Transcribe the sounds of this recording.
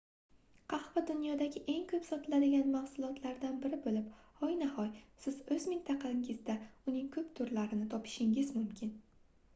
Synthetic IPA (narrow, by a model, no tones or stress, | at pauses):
qʰɑhvad̪ʊnjɒd̪aɡʲɪʔe̞ŋkʲʰɵpsɒt̪ʰɪlad̪ɪɡʲanmahsʊlˠɒt̪ʰlaɾd̪anbɪɾɪbolɪphɒjnahɒjsɪz̥ɵzmɪnt̪ʰɑqʰɑɪŋɪzd̪aʊnɪŋkʰɵpt̪ʰʊɾlaɾɪnɪt̪ʰɒpʰɪ̥ʃɪŋɪzmʊmkʲʰɪn